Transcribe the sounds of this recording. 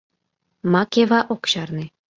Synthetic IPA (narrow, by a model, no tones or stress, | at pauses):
mɑkʲeʋɑʔokɕɑrnĭ